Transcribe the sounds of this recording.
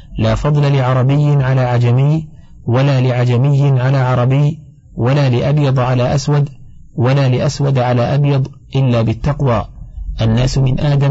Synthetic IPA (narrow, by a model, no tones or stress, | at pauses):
laːfɑd̪ˤlalɪʕɑɾˤɑbɪjːɪʕalaːʕad͡ʒamɪjː | walaːlɪʕad͡ʒamɪjːɪnʕalaːʕɑɾˤɑbɪj | walaːlɪʔabjɑd̪ˤʕalaːʔaswad̪ | walaːlɪʔaswad̪ʕalaːʔabjɑd̪ˤ | ʔɪlːaːbɪt̪ːɑqwaːʔanːaːsmɪnʔaːd̪a